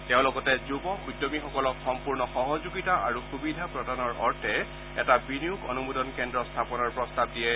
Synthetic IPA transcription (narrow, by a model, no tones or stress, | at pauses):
tɛʊ̃lɔkɔtɛzubɔujdɔmixɔkɔlɔkxɔmpuɹnɔxɔɦɔzuɡitaʔa̰ɹuxubidʱapɹɔdanɔɹɔ̰ɹtʰɛ | ɛ̰tabiniukɔ̰numudɔnkɛndɹɔstʰapɔnɔɹpɹɔstab̚diɛ